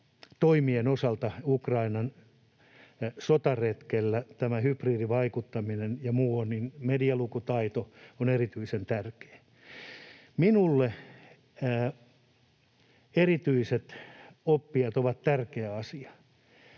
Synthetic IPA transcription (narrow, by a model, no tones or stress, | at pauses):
t̪oimienosɑlt̪ɑukrɑinɑn | sot̪ɑret̪kelːæt̪æmæhypriːdiʋɑikut̪ːɑminenjɑmuːonninmediɑlukut̪ɑit̪oonerit̪yisent̪ærke̥ː | minulːeː | erit̪yiset̪opːiɑt̪oʋɑt̪t̪ærkeæɑsiɑ̥